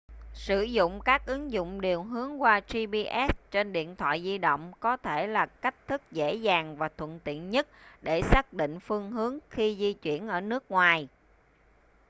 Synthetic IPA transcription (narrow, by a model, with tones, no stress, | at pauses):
sɨ˧˩zʊ̰˧˨ŋ͡mkaː˦˥k̚ʔɨ˨˦ŋzʊ̰˧˨ŋ͡mɗi˨˩əwɦɨ˨˦əŋkwaː˧zi˧ɓi˧ʔɛ˦˥st͡ɕe˧nɗḭ˧˨ənt̪ʰwa̰ː˧˨jzi˧ɗo̰˧˨wŋ͡mkɔ˨˦t̪ʰe˧˩laː˨˩ka˦˥jk̟̚t̪ʰɨ˦˥k̚zḛ˧˥zaː˨˩ŋvaː˨˩t̪ʰwə̰˧˨nt̪ḭ˧˨ənɲə˦˥t̚ɗe˧˩saː˦˥k̚ɗḭ˧˨ŋ̟fɨ˧əŋɦɨ˨˦əŋxi˧zi˧t͡ɕwḭ˧˩ənʔəː˧˩nɨ˦˥ək̚ŋwaː˨˩j